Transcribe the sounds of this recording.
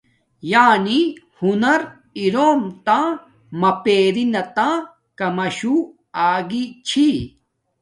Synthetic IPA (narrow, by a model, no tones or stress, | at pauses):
jaːni | hunɐɾ | iɾoːmt̪ã | mɐpeːɾinɐt̪ã | kɐmɐɕu | aːɡit͡ɕʰi